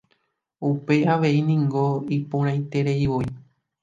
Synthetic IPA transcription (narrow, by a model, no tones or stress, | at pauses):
upe̞aʋe̞inĩŋɡo̞ipõɾ̃ãj̃t̪e̞ɾe̞iʋoi